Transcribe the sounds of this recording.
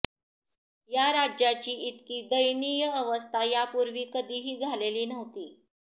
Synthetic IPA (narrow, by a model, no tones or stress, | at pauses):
jaɾad͡ʑjat͡ɕiːit̪kiːd̪əjnijəəʋəst̪ʰajapuɾʋiːkəd̪ʱiːɦiːɡʱaleliːnəʋt̪iː